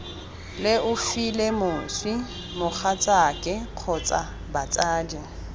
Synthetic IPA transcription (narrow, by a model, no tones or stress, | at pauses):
lɪʔʊfilemʊswi | mʊk͡xat͡sʼakʼɪq͡χʰɔt͡sʼa | bat͡sʼaːdi